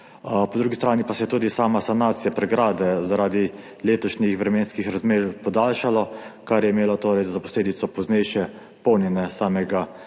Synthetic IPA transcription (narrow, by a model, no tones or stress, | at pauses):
pɔd̪ɾuːɡist̪ɾaːnipasɛjɛt̪uːd̪isaːmasanaːt̪sijapɾɛɡɾaːd̪ɛzaɾaːd̪i | leːt̪ɔʃnixʋɾɛmeːnskixɾazmeːɾpɔd̪aːlʃalɔkaɾjɛimeːlɔt̪oːɾɛjzapɔsleːd̪it̪sɔpɔznɛjʃɛ | pɔwnjɛnɛsaːmɛɡa